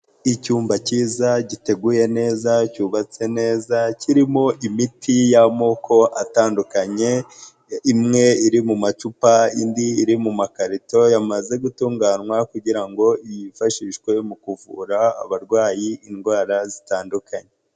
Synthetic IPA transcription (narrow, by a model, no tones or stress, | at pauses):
icuːmbaciːzaɟite̞ɡuje̞ne̞ːzacuβat͡se̞ne̞ːzaciɾimo̞ʔimitʰijamoko̞ʔataːndukaɲe̞ | imŋe̞iɾimumat͡ʃupaindiːɾimumakaɾito̞jamaze̞ɡutuːŋɡaːnwakuɟiɾaŋɡo̞ijifaʃiːʃkwe̞mukuvṵɾa̰ːβaɾɡwaːjiinɡwaːɾazitaːndukʰaɲe